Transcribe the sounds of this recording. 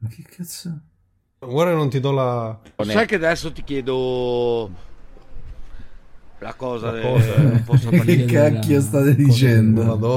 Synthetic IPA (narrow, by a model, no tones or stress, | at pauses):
akʰːekʰːat̪so | waɾenont̪id̪ɔlasɛkːead̪ɛsːot̪i̥kjɛːd̪o | la̰kɔːza | kekːakːiost̪at̪ed̪it͡ʃɛnd̪od̪